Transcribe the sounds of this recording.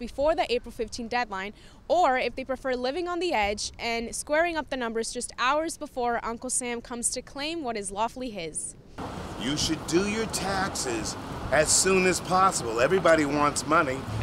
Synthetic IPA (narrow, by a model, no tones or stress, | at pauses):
b̥ɨfɔɹðiʔeɪpɹl̩ˠfɪftʰĩnd̥ɛdˡlãɪ̃n | ə˞ɪfðeɪpɹ̥ɨfɜ˞lɪvɪ̃ŋə̃nðiɛd͡ʒɨ̃nskwɛɹɪ̃ŋʌp̚ðɨnʌ̃mbə˞zd͡ʒʌstaʊə˞zbəfɔɹʔʌ̃ŋkl̩ˠsæ̃mkʰʌ̃mz̥tʰɨkʰl̥ẽɪ̃mwʌɾɨzlɔflˠiɪz̥ | jɨʃɨdɨjə˞tʰæksɪzɨz̥sũnɨz̥pʰɑsəbl̩ˠɛvɹibɑɾiwɑ̃ntsmʌni